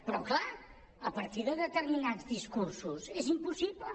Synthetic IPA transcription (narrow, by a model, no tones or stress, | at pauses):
pɾɔklˠa | əpəɾt̪iðəðət̪əɾminadzðiskuɾsuzezimpusiβlə